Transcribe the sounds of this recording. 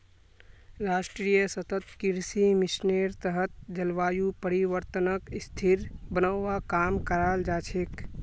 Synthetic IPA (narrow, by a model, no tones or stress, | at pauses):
ɾaːsʈɾijəsət̪ət̪kiɾsimɪsneɾt̪əɦət̪̚d͡ʒəlʋaːjupəɾiʋəɾt̪ənəkɪst̪ʰiɾbənəːakaːmkəɾaːld͡ʒaːt͡ʃʰek